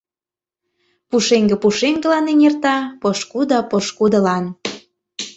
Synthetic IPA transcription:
puʃeŋɡĕpuʃeŋɡə̆lɑneŋert̪ɑpɤ̆ʃkud̪əpɤʃkud̪ə̆lɑn

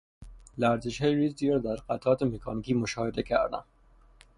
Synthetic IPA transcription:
læɾzeʃɒːjɾizd̪iɾɒd̪æɾqæt̪ʰɒːt̪emekʰɒːnikiːmoʃɒːhed̪ekʰæ̰ɾd̪æ̰n

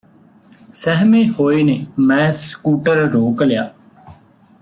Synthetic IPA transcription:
sɛɦmẽːhoːeːneːmɛ̃ːskuːʈəɾɾoːklɪjaː

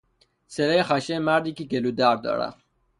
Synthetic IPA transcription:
seɾexaʃemaɾd̪ikikelud̪aɾd̪ɔ̰ɾa̰

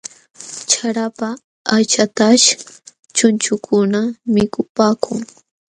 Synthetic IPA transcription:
t͡ʃʰaɾapaː | t͡ʃat̪aʃ | t͡ʃʊnt͡ʃʊkʰʊnamɪkʊpaːkʰʊŋ

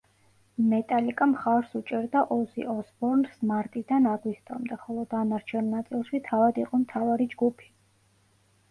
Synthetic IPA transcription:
mɛt̪ʼalikʼamχaɾsut͡ʃʼɛɾd̪aʔɔsḭɔsbɔɾnsmaɾt̪ʼid̪anaɡwist̪ʼɔ̰md̪ɛχɔlˠɔd̪anaɾt͡ʃʰɛnːat̪sʼilˠʃit̪ʰavad̪iqʼɔmt̪ʰavaɾid͡ʒɡupʰi̥

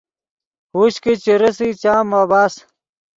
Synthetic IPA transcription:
huɕkit͡ɕiɾesit͡ɕaːmabaːs

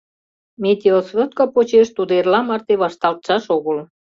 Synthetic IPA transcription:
mʲet̪ʲeosβə̆t̪̚kɑpot͡ɕeʃt̪ud̪erlɑmɑrt̪eβɑʃt̪ɑlt̪ʃɑʃoɣəl

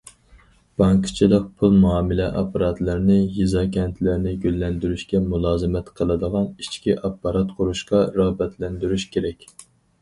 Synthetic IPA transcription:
b̥ɑŋkʰt͡ʃʰilˠəq̚pʰulˠmuɑːmɨlɛʔɑ̰pʰːɑɾɑt̪lˠəɾnɪjizɑkʲʰɛnt̪ʰlæɾnɪɡʲølːɛnd̪yɾyʃkʲɛmulˠɑːzɨmɛt̪qʰəlˠɨd̪əʁɑnit͡ʃkʲiʔɑpːɑɾɑt̪qʰʊɾuʃqɑɾɑbɛt̪ʰlɛnd̪yɾyʃkʲʰeɾɛkʲ

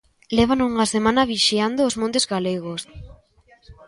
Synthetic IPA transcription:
leβ̞anuŋasemãnɐβiʃiand̪oːzmõnt̪ezɣaleɣos

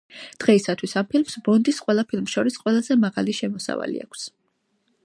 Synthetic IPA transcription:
d̪̥ʁɛisat̪ʰwisampʰilmsbɔnd̪isqʼwɛlˠapʰilˠmsʃɔɾisqʼwɛlˠazɛmaʁaliʃɛmɔsa̰va̰lḭa̰kʷʰs

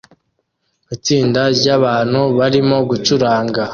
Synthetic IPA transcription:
it͡siːndaɾɟaβaːn̥huβaɾimo̞ɡut͡ʃuɾaːŋɡa

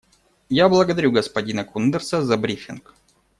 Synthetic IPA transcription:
jablˠəɡəd̪ɐɾʲuɡəspɐdʲinəkund̪ərsəzɐbɾʲifʲɪnk

